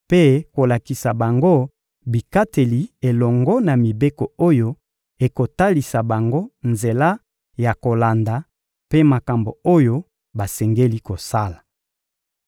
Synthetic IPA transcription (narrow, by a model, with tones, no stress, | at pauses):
pe˦ko˨la˨ki˨sa˨ba˨ŋɡo˦ | bi˨ka˦te˨li˨e˨lɔ˨ŋɡɔ˦na˨mi˨be˦ko˨o˦jo˦ | e˨ko˨ta˦li˨sa˨ba˨ŋɡo˦nze˨la˦ | ja˨ko˨la˨nda˨ | pe˦ma˨ka˨mbo̰˨o˦jo˦ | ba˨sɛ˨ŋɡe˦li˦ko˨sa˦la˨